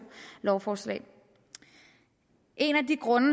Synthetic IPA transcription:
lɒʊfɒːslɛ̰ːɪ | ʔe̝næd̥iɡ̥ʁɔ̽nə

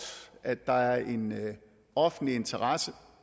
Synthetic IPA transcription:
æd̥ːɑ̈æɐʔe̝n | ɒ̽fn̩lie̝nt͡sʰɐʁɑsə

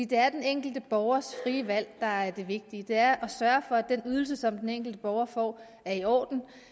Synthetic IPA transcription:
id̥e̝æɐd̥eneŋ̰ɡ̥l̩d̥əb̥ɒʊɐsfʁiːəʋæl̰d̥ɑ̈æɐd̥e̝ʋe̝ɡ̥̚d̥iəd̥e̝æɐʔɒ̽sɶːɐfɒ̽æd̥enyð̞ˠl̩s̬əsɒ̽md̥eneŋ̰ɡ̥l̩d̥əb̥ɒʊɐfɒ̰ː | æɐiɒ̰ːd̥n̩

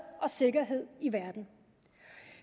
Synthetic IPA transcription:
ɒ̽se̝ɡ̥ɐɦe̝ð̞̰ˠiʋæɐd̥n̩

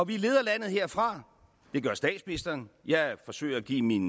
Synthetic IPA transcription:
ɒ̽ʋile̝ːð̞ˠɐlæn̰ð̩ˠhe̝ɐ̰fʁɑ̈ | d̥e̝ɡ̥ɶɐsd̥ɛ̰ːd̥sminisd̥ɐnjɑ̈ɪfɒ̽sø̰ːɪɐæɡ̥ḭːmin

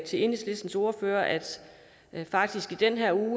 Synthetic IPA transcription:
t͡sʰe̝e̝nesle̝sd̥n̩so̝ɐføːɐʔæd̥ | fɑ̈ɡ̥̚d̥isɡ̥id̥enɦeɐ̰uː

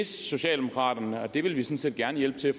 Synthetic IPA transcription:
esso̝ɕɛ̰ːld̥emo̝kʰʁɑ̰̈ːdɐnəɒ̽d̥e̝ʋe̝lʋisɒ̽n̩se̝̰ːd̥̚ɡ̥æɐnəjel̰b̥ət͡sʰe̝æf

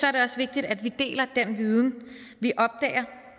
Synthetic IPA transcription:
sɒ̽æɐɾe̝ɒ̽sʋe̝ɡ̥̚d̥id̥æd̥ʋid̥e̝̰ːlɐd̥enʋið̞ˠn̩ | ʋiʔɒ̽b̥̚d̥ɛ̰ːɐ

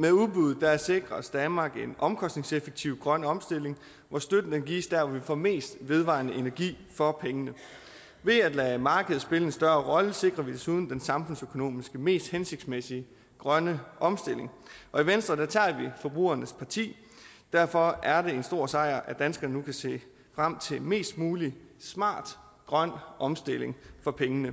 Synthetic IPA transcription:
meuðˠb̥uð̩ˠd̥ææse̝ɡ̥ʁɐsd̥ænmɑ̈ːɡ̥e̝nɒ̽mkʰɒ̽sd̥ne̝ŋsefeɡ̥̚t͡sʰiʊɡ̥ʁɶnəɒ̽msd̥e̝l̰e̝ŋ | ʋɒsd̥ød̥n̩d̥enɡ̥ḭːsd̥æɐʋɒʋifɒme̝̰ːsd̥ʋe̝ðˠʋɑ̰̈ːnəʔe̝næɐɡ̥ḭːfɒ̽pʰeŋənə | ʋe̝æd̥læmɑ̈ːɡ̥əð̩ˠsb̥e̝ləe̝nsd̥ɶɐʁɒ̽ləse̝ɡ̥ʁɐʋid̥esuð̞ˠn̩d̥ensɑ̈mfɔ̽n̰søkʰo̝no̝̰ːmisɡ̥əme̝̰ːsd̥hense̝ɡ̥̚smesiə | ɡ̥ʁɶnəʔɒ̽msd̥e̝le̝ŋʔɒ̽iʋensd̥ʁɐd̥æt͡sʰɑ̰̈ːʋifɒ̽b̥ʁṵːɐnəspʰɑ̈t͡sʰḭː | d̥æɐ̰fɒ̽æɐɾ̥e̝e̝nsd̥o̝ɐ̰sɑ̈ɪ̰ɐʔæd̥ænsɡ̥ɐnənukʰæse̝̰ː | fʁam̰t͡sʰe̝me̝̰ːsd̥muːlismɑ̰̈ːd̥ | ɡ̥ʁɶn̰ʔɒ̽msd̥e̝l̰e̝ŋfɒ̽pʰeŋənə

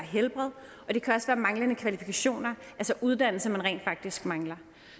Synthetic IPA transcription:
ɦelb̥ʁɛðˠ | ɒ̽d̥e̝kʰæɒ̽sʋæːɐmɑ̈ŋlənəkʰʋælifikʰæɕo̝̰ːnɐʔælsɒʔuð̞ˠd̥æn̰l̩səmænʁɛ̰ːnd̥fɑ̈ɡ̥̚d̥isɡ̥mɑ̈ŋlɐ

